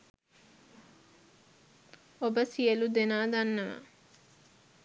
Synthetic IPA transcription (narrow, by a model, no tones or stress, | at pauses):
obəsijəlud̪enaːd̪anːəʋə̰